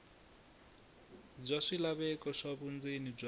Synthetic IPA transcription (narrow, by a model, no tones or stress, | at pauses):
b͡ʐaʂilaβɛkɔʂaβund͡zinib͡ʐʷa